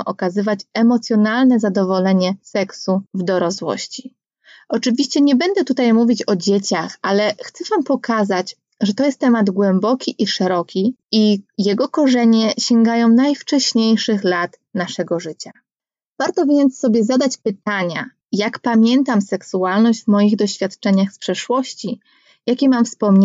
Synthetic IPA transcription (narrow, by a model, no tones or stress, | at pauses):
ʔɔkazɘvat͡ɕɛmɔt̪sʲjɔnalnɛzad̪ɔvɔlɛɲɛsɛksuvd̪ɔɾaswɔ̰ɕt͡ɕi | ɔt͡ʂɘvʲiɕt͡ɕɛɲɛbɛnd̪ɛt̪ut̪ajmuvʲit͡ɕɔd͡ʑet͡ɕaxalɛxt̪sɛvampɔkazat͡ɕ | ʐɛt̪ɔjɛst̪ːɛmad̪ɡwɛmbɔkʲiʔiʂɛɾɔkʲiijɛɡɔkɔʐɛɲɛɕɛŋɡajɔ̃w̃najft͡ʂɛɕɲejʂɘxlat̪naʂɛɡɔʐɘt͡ɕa | v̥aɾt̪ɔvʲjɛnt̪sːɔbʲjɛzad̪at͡ɕpɘt̪aɲa̰ | jakpamʲjɛnt̪amsɛksualnɔʑd͡ʑvmɔjiɣd̪ɔɕfʲjat̪t͡ʂɛɲaxspʂɛʂwɔɕt͡ɕi | jakʲɛmamfspɔmɲ